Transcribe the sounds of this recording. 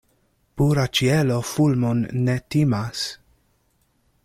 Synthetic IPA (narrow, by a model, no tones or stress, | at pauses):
puɾat͡ʃiɛlofulmɔnːɛt̪imas